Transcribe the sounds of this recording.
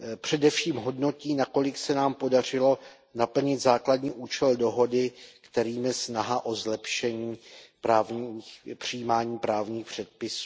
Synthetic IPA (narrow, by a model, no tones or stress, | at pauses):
pr̥ɛdɛfʃiːmɦo̞dno̞ciːnako̞lɪksɛnaːmpo̞dar̝ɪlo̞ | napl̩ɲɪt̪zaːkladɲiːʔuːt͡ʃɛldo̞ɦo̞dɪkt̪ɛɾiːmjɛsnaɦaʔo̞zlɛpʃɛɲiːpɾaːvɲixpr̝̥ijiːmaːɲiːpɾaːvɲiːxpr̥ɛt̪̚pɪsu̥ː